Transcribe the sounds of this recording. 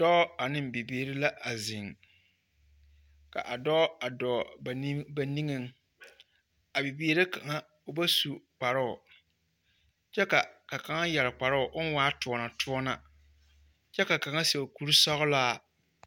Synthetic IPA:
dɔ˦a˨nɪ˦m˨bi˨beː˨˦˨ɾɪ˦la˦ʔa˨zi˨ŋ | ka̰˨ʔa˨dɔ˦a˨dɔː˨ba˨˦ba˨ni˦ŋe˦ŋ | a˨bi˨biː˦ɾe˦ka˨ŋa˦ | ʊ˦˨ba˦su˨k͡pa˨ɾʊ˦ʊ˨ | t͡ʃɛ˦ka˨ka˨ka˨ŋa˦jɛ˨lɪ˨k͡pa˨ɾʊ˦ʊ˨ʔʊ˦n˦waː˦tʊ˨ɔ˨na˨tʰʊ˦ɔ˦na̰˨ | t͡ʃɛ˦ka˨ka˨ŋa˦se˨ku˦ɾi˦sɔ˦ɣʊ˦laː˦˨

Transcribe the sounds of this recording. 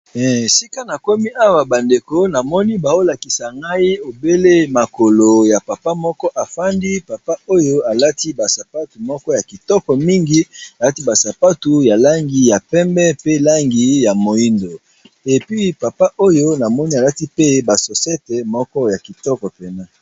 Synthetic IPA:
ɛ˨si˦ka˦na˨ko˦mi˦ʔa˦wa˨ba˨nde˨ko˦na˨mɔ˦ni˦ba˨o˦la˨ki˨sa˨ŋɡa˦i˦o˨be˦le˦ma˨ko˨lo˨ja˨pa˨pa˦mɔ˦kɔ˦ʔa˨fa˦ndi˦pa˨pa˦o˦jo˦a˨la˦ti˦ba˨sa˨pa˦tu˨mɔ˦kɔ˦ja˨ki˨tɔ˦kɔ˨mi˦ŋɡi˦a˨la˦ti˦ba˨sa˨pa˦tu˨ja˨la˦ŋɡi˨ja˨pɛ˦mbɛ˦pe˦la˦ŋɡi˨ja˨mo˨i˦ndo˨ | e˨pɥi˦pa˨pa˦ʔo˦jo˦na˨mɔ˦ni˦a˨la˦ti˦pe˦ba˨so˨sɛ˦tɛ˨mɔ˦kɔ˦ja˨ki˨tɔ˦kɔ˨pe˨na˦

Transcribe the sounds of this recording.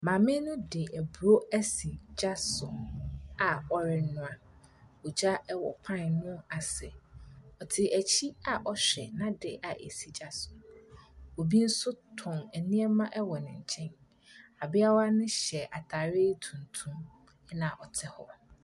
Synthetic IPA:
mãː˨mɪ̃˦nʊ̃˦dɪ˨æ˨bu˨ɾo˦æ˦si˨d͡ʑa˦sʊ˨a˨ɔ˦ɾɪ˨nʊ̃˨a˨ | ɔ˨d͡ʑa˦ɛ˦wɔ˨pʰã˦n˨nʊ̃˦a˨sɛ˨ɔ˨tʰɪ˨ʔæ˨t͡ɕʰi˦a˨ʔɔ˦ɕᶣɛ̰˨nã˦dɪ˨ʔa˨ʔḛ˨si˨d͡ʑa˦sʊ˨ | o˨bi˦n̩˦sʊ˦tʰʊ̃˨næ˨nĩ˦ɛ˦mã˦ʔɛ˦wɔ˨nɪ̃˨ɲ̩˨t͡ɕʰɛ̃˦n | a˨bɪ˦a˦wa˦nɪ̃˦ɕɛ˨ʔa˨tʰa˨ɾe˦tʰũ˨n̩˨tʰũ˦m | ɛ˦nã˨ʔɔ˨tʰɛ˦hɔ˦

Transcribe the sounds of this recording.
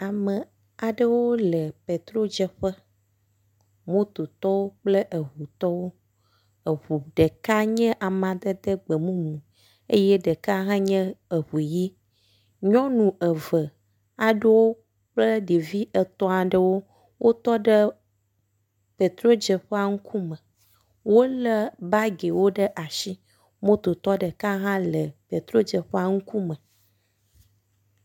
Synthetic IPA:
a˨mɛ˨ | a˨ɖə˦wo˦lɛ˨pe˨t̪ɾo˦d͡ʒɛ˨ɸɛ˦ | mõ˦t̪o˨t̪ɔ˦wo˦k͡plɛ˦ʔə˨ɦu˨t̪ɔ˦wo˦ | ə˨ɦu˨ɖɛ˨ka˦ɲɛ̃˦ʔa˨mã˨d̪ə˦d̪ə˦ɡ͡be˨mũ˦mũ˨ | e˦jɛ˦ɖɛ˨ka˦ɦã˦ɲɛ̃˦ə˨ɦu˨ji˦ | ɲɔ̃˦nũ˨ɛ˨və˨ | a˨ɖo˦wo˦ | ɸlə˦ɖi˨vi˦ʔə˨t̪ɔ̃˨˦a˨ɖə˨wo˦ | wo˦t̪ɔ˦ɖə˦ | pe˨t̪ɾo˦d͡ʒə˨ɸə˦a˨ŋu˦kʰu˦mə˨ | wo˦lə˦ba˦ɡe˨wo˦ɖə˦ʔa˨ʃi˦ | mõ˦t̪o˨t̪ɔ˦ɖə˨ka˦ɦã˦lə˨pe˨t̪ɾo˦d͡ʒə˨ɸə˦a˨ŋu˦ku˦mə̃˨

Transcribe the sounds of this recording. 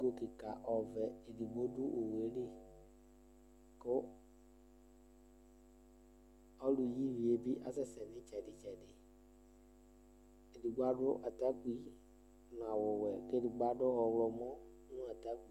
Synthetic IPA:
ɡo˦ki˨ka˨ʔɔ˨vɛ˨e˨di˨ɡ͡bo˦dʊ˦ʔo˨we˨˦ɖe˦ | ko˦ | ɔ˦lu˨ji˦vi˨e˨˦bi˦ʔa˦sɛ˦sɛ˨nɪ̃˦t͡ʃɛ˨dɪ˦t͡ʃɛ˨dɪ˨ | e˨di˨ɡ͡ba˦ɖʊ˦ʔa˨t̪a˦k͡pi˦ | n˨a˨wo˨wɛ˨kdi˨ɡ͡ba˦ɖʊ˦ɔ˨wlɔ˨mɔ̃˦ | nũ˦a˨t̪a˦k͡pi˦

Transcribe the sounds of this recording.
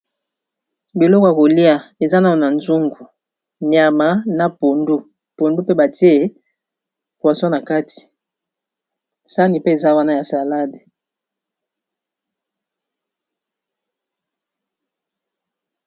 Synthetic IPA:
bi˨lɔ˦kja˨ko˨li˦a˨e˨za˦na˦˨a˨na˨nzu˦ŋɡu˨ | ɲ˨a˨ma˨na˨po˨ndu˦ | po˨ndu˦pe˦ba˨ti˦e˦e˨ | kwa˨so˦na˨ka˦tʰi̥˨ | sa˦ni˨pe˦e˨za˦wa˦na˦ja˨sa˨la˦de˨

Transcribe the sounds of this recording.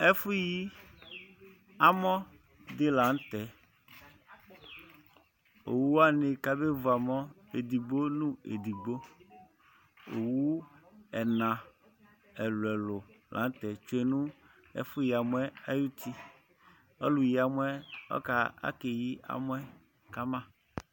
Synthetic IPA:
ɛ˦fu˦ji˦ | a˦mɔ˦ | d̪e˦la˨˦n˦t̪ɛ˨ | o˨wu˦wa˦ne˨ka˨be˦vu˨a˨mɔ˦ | e˨d̪i˨ɡ͡bo˦nũ˦ḛ˨d̪i˨ɡ͡bo˦ | o˨wu˦ɛ˨nã˨ | ɛ˨lɛ˨lʊ˨ | lʔa̰˨˦n˦t̪ɛ˨t͡ʃe˨nũ˦ | ɛ̰˦fʊ˦ji˨a˨mwɛ˦a˦ju˦t̪ʰi˦ | ɔ˦lu˨ji˨a˨m˦ɛ˦ɔ̰˦ka˨a̰˦ke˨ji˦a̰˨mo˦ɛ˦ | ka˦mã˦

